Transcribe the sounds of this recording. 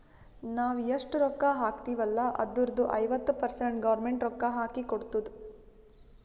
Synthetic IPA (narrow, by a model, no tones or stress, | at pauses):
naːʋɐʂʈɾɔkːaɦaːkt̪iːʋɐlːɐʔɐ̰d̪ːuɾd̪uʔɐjʋɐt̪ːupɐɾseɳʈɡɐʋɾmeɳʈɾɔkːaɦaːkikoɽt̪ud̪u